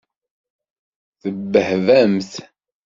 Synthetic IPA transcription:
θəbːəhvæmθ

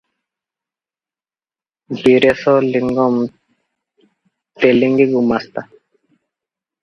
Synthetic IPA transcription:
ɡiɾesɔliŋɡɔm | t̪eliŋɡiɡumast̪a

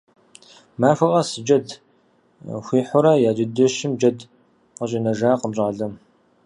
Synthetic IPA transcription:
maːfʷɐʔʼɐsɨd͡ʒɐd | xʷiːħʷʊɾɐjaːd͡ʒɪdɨʃɪmd͡ʒɐd | qəɕʼinɐʒaːqəmɕʼaːɮɐm

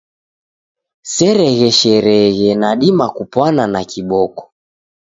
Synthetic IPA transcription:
sɛɾɛɣɛʃɛɾɛɣɛnaɗimakupwananakiɓɔkɔ̥

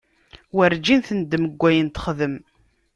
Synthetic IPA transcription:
wəɾd͡ʒinθənd̪ːməɡʷːæjənt̪ə̥χðəm

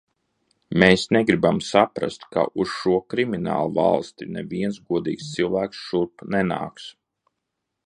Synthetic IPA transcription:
meːsnɛɡɾibamsapɾa̰st̪ka̰ʔusʃuɔkɾimina̰ːlˠuva̰lˠst̪inɛviɛnsɡuɔd̪iːkst̪silˠvæːksʃuɾpnɛna̰ːks

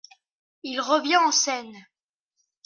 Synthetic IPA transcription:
ilʁəvjɛ̃ɑ̃sɛn

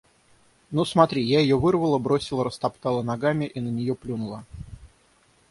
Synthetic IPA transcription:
nusmɐt̪ɾʲijaɪjovɨrvəlˠəbɾo̞sʲɪlˠəɾəst̪ɐpt̪ɑlˠənɐɡamʲɪʔinənʲɪjoplʲunʊlˠə

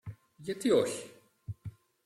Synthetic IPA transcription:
ʝɐt̪ioçi̥

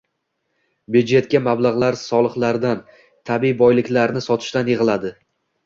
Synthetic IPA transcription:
bed͡ʒe̞t̪̚kʲamablˠaʁlˠaɾsɒlˠɨχlˠaɾd̪an | t̪ʰabibɒjlɪkʲlaɾnɪsɒt̪ʰɪ̥ʃt̪anjeʁɨlˠad̪ɪ

